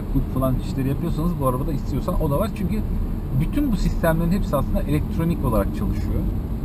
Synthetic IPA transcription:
k̪ukfalˠant͡ʃʰi̥ʃlʲeɾijapʰɯjo̞sanɯzbuaɾabad̪aist̪ʰijo̞sano̞d̪avaɾt͡ʃʰyɲcy | byt̪ʰynbusist̪ʰæmlʲe̞ɾinhepsiasɯnd̪aʔelʲɛc̚t̪ʰɾo̞nico̞lˠaɾak̚t͡ʃʰalˠɯʃɯjo

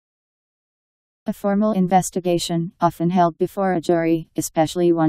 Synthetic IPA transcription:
ɨfɔɹml̩ˠɪ̃ɱvɛstɨɡeɪʃɨ̃nɑfɨ̃nɦɛlˠd̚bɨfɔɹɨd͡ʒʊɹiɨspɛʃl̩ˠiwʌ̃

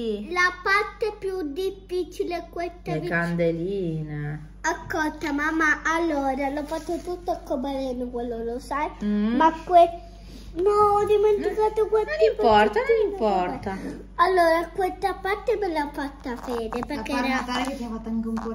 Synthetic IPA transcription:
ilapart̪epjud̪ifːiːt͡ʃileakːwest̪ːaekand̪eliːne | askːɔlt̪amamːaʔːlːoːɾalɔfːat̪ːot̪ut̪ːoakːobalɛːnokwelːolosajmakːwe | noɔd̪iment̪ikaːt̪okweippɔt̪annimpɔrt̪a | alːoːɾakwest̪apart̪ebɛlːafat̪ːafɛːd̪eperkːeɾeat̪aɾeket̪ːjafat̪ːaŋkeuŋko

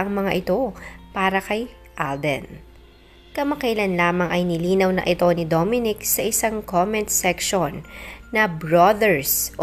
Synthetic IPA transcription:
ɐŋmɐŋaʔɪt̪o̞paːɾɐkɐj | ʔald̪ɛ̰n | kɐmɐkɐjlɐnlaːmɐŋʔɐjnɪliːnɐwnɐ̰ʔɪt̪o̞nɪd̪omɪnɪksɐʔɪsaŋkomɛnt̪̚sɛkʃonːɐbɹod̪ɛɹs

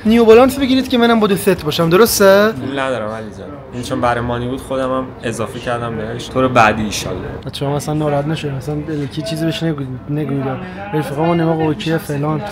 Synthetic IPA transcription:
nijobolɒnsbe̞ɡʲiːɾiːd̪cʲemænæmbɒd̪ofet̪ʰbɒːʃæmd̪oɾo̞st̪eilnæd̪ɒːɾæmælizɒn | int͡ʃʰonbæɾejmɒːnibuːd̪xod̪æmæm | ezɒːfecʰæɾd̪æmbeeʃt̪ʰoːɾebæd̪iːʃɒ̰ldḛd̪æ̰æt͡ʃʰeɾɔmæsænːɒːɾɔhæt̪næʃod̪ææsænbelecʰit͡ʃʰiːzibeʃneɡneɡujd̪ɒ | elfiɣɒmɔnːemɒɣocʰejefelɒnt̪

